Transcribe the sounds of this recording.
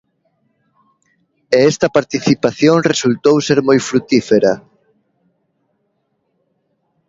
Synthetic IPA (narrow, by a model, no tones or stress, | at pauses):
eɛst̪ɐpaɾt̪iθipaθjoŋresult̪owseɾmojfɾut̪ifeɾɐ